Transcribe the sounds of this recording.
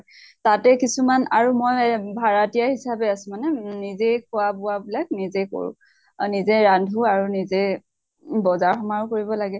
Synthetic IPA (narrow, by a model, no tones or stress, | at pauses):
tatɛkisumana̰ɹumojbʱaɹatijahisabɛasʊ̃manɛnizejkʰʊabʊwabilak̚nizejko̰ɹṵ̃ | nizɛɹandʱuaɹunize | bɔzaɹxɔmaɹukoɹibɔlaɡɛ